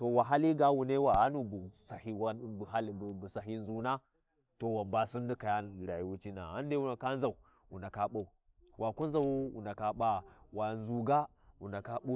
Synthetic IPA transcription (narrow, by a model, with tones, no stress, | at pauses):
to˨wa˨ɦa˦li˦ɡa˦wu˨ne˦wa˨a˦nu˨bu˨sa˨hi˦wa˦˨bɦa˦lbu˨sa˨ɦi˦nzu˨na˦ | to˨wa˨mba˦si˦ndi˦ka˨ja˦˨ɾa˨ji˦wu˦t͡ʃi˦na̰˨a˦n˦de˦wu˨na˨ka˦n˦za˨u˨ | wu˨na˨ka˦ɓa˦˨u˨ | wʔa˨ku˦n˦za˦wu˦wṵ˨nda˨ka˦ɓa˦wa˨nzu˨ɡa˦ | wu˨na˨ka˦ɓu˦